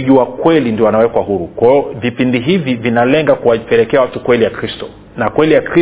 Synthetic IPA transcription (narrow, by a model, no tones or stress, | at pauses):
ʄuwakwɛlindiɔwanawɛkwaɦuɾukwajɔvipindiɦivivinalɛŋɡakuwapɛlɛkɛawatukwɛlijakɾistɔ | nakwɛlijakɾi